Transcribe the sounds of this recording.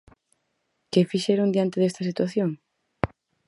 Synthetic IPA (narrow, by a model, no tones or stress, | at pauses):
kefiʃeɾond̪jant̪eest̪asit̪waθjoŋ